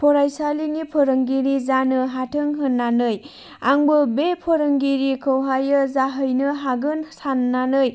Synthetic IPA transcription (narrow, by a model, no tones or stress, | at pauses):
pʰɔɾajsaliŋipʰoɾɯŋɡiɾizanɯɦatʰɯŋɦɯnːanɯj | aŋbɯbepʰoɾɯŋɡiɾikʰɯwɦajɯzaɦɯjnɯɦaɡɯnsanːanɯj